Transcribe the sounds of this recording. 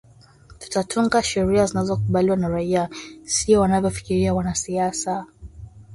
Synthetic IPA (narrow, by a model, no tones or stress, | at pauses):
tu̥tatʰuŋɡaʃɛɾiazinazɔkuɓaliwanaɾaiasiɔwanavjɔfi̥kiɾiawanasiasa